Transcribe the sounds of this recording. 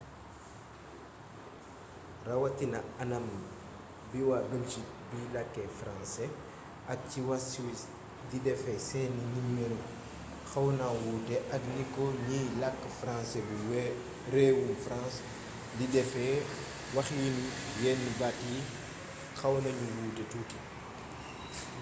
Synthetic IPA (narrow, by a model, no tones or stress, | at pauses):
rɐwɐtinɐɐnɐmn | biwabɛlʒik̚bilɐkːɛfrãnsɛ | ɐk̚ciwɐswis | didɛfɛsɛːninimmɛnu | xɐwnawuːtɛʔɐknikːɔɲijlɐkːfɾãnsɛbu | ɾɛːwunfɾãns | didɛfɛ | wɐxjinjɛnːibati | xɐwnɐɲuwuːtɛtuːti